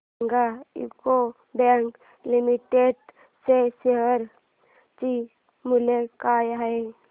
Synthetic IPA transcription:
ŋɡaḭko | bɛ̃ŋk | limiʈeɖ | seseɦəɾ | t͡ʃi | mulekaːjɦəe

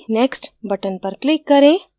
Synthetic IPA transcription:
neːksʈbɐʈənpɐɾklɪkːɐɾẽː

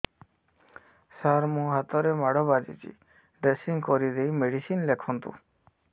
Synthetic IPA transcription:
saɾmũɦat̪ɔɾemaɽɔbad͡ʒḭt͡ʃʰḭ | ɖɾesiŋkɔɾid̪ejmeɖisinlekʰɔnt̪ṵ̃

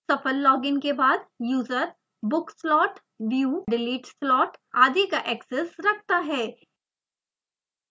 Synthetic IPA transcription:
sɐfəlːɔːɡɪnkebaːd̪juːzəɾ | bʊkslɔːʈ | ʋjuɖɪliːʈslɔːʈaːd̪ikaʔɛːksesɾɐkʰt̪aɦɛː

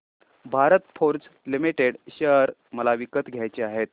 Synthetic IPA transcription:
bʱaɾət̪fʰoɾd͡zlimiʈeɽɕəɦɾməlaʋikət̪ɡʱjajt͡ɕeaɦet̪̚

